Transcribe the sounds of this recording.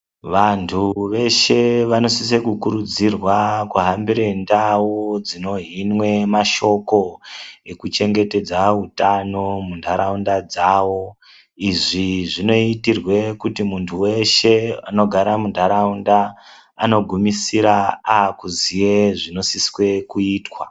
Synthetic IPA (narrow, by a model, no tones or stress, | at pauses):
ʋantʰuʋe̞ʃe̞ʋano̞sisekukuɾud͡zirwakuɦambiɾendaud͡zino̞ɦinwe̞maʃo̞ko̞ekut͡ʃe̞ŋɡe̞te̞d͡zaɦutano̞mundʱaɾaundad͡zaʋo̞ | iʐiʐino̞itirwe̞kutimuntʰuwe̞ʃe̞ano̞ɡʱaɾamundʱaɾaundaː | no̞ɡʱumisiɾaakuzijeʐino̞siswe̞kuiːtwa